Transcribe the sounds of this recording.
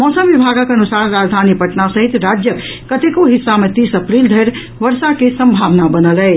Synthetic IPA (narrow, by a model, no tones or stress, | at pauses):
mɔsəmʋibʱaɡəkənusaɾɾad͡ʒd̪ʱanipəʈnasəɦit̪ɾad͡ʒjə | kət̪ekoɦisːamet̪isəpɾild̪ʱeɾ | ʋəɾsakesəmbʱaʋnabənəlɛɪ